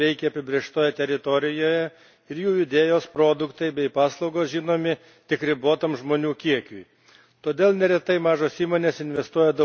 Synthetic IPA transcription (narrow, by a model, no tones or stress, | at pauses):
ɛɪkʲɛɐpʲɪbʲɾʲeɛʃt̪oːjɛt̪ʲɛɾʲɪt̪oɾʲɪjoːjɛ | ɪɾjuːjʊd̪ʲeːjoːspɾoːd̪ʊkt̪ɐɪbʲɛɪpɑːslˠɒʊɡoːsʒʲiːnoːmʲɪ | t̪ʲɪkɾʲɪboːt̪ɐmʒmoːnʲuːkʲiɛkʲuj | t̪oːd̪ʲeːlˠnʲɛɾʲɛt̪ɐɪmɑːʒoːsiːmoːnʲeːsɪnʲʋʲɛst̪uɔjɛd̪ɐ